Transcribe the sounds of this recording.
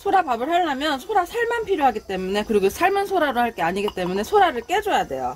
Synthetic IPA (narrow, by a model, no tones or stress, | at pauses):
sʰoɾapabɯɭhaɭːamjʌnsʰoɾasʰaɭmanpʰiɾjoɦaɡit͈e̞mune̞kɯɾiɡosʰaɭmɯnsʰoɾaɾohaɭk͈e̞aɲiɡit͈e̞mune̞sʰoɾaɾɯɭk͈e̞d͡ʑojade̞̰jjo̰